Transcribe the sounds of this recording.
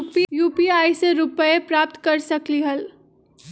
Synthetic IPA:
pijuːpiaːiseɾʊpəepɾaːp̚t̪kɐɾsɐkliɦɐl

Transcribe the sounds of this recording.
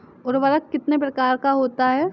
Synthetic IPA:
ɔɾbɐɾakɪt̪nepɾɐkaːɾkaɦoːt̪aɦɛː

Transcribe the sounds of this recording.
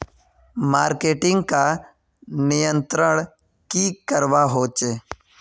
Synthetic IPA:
maːɾkeːʈɪ̃ŋɡka | nɪjə̃nt̪ɾəɽ̃ | kikəɾʋaɦoːt͡ʃeː

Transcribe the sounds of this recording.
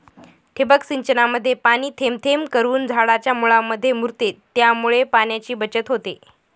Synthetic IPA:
ʈʰebəksiɲt͡ɕənaməd̪ʱːjepañiːt̪ʰemt̪ʰemkəɾuːnd͡zʱaɭat͡ɕjamuɭamːəd̪ʱːjemuɾt̪et̪ːjamuɭepanjat͡ɕiːbət͡ɕət̪ɦot̪e

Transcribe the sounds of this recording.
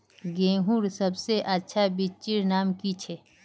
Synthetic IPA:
ɡẽːɦuːɾsɐbseʔɐtːʃʰabit͡ʃiɾnaːmkit͡ʃʰe

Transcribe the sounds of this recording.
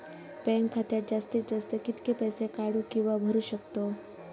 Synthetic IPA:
pɛ̃ŋkkʰːat̪ad͡ʒast̪isd͡ʒəst̪əkɪt̪kepəjsekaɽũkĩʋabʱəɾuʃəkt̪o

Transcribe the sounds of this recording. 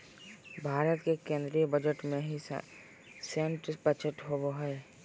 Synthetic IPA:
bʱaːɾət̪kekẽːnd̪ɾibəd͡ʒəʈmẽɦḭ | sẽɳʈsbət͡ʃəʈɦoboɦɛː

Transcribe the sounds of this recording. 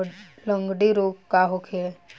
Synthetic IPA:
lə̃ŋɡɖiɾoːɡkaɦokʰee

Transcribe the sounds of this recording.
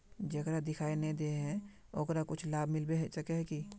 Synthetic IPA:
d͡ʒɐkɾad̪ɪkʰaːinɐĩd̪eɦɛ̃ | oːkɾakʊt͡ʃʰlaːbʱmɪlbeɦɛsɐkeɦɛki

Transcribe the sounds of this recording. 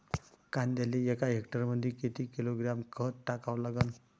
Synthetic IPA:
kand̪aliekaɦekʈəɾməd̪ʱːiket̪ikiloɡɾamkʰətʈakaʋlaɡən

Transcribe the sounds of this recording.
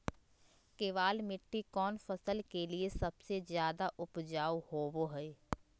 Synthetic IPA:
keːʋaːlmɪʈːikɔːnfɐsəlkeliesɐbsezjaːd̪aʔʊpd͡ʒaːwhoːboɦɛe

